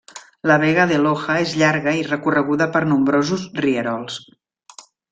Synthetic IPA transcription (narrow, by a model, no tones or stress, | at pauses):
ləβ̞ɛɣəðəloxəezʎaɾɣəirəkurəɣ̞uðəpəɾnumbɾozusriəɾɔlˠs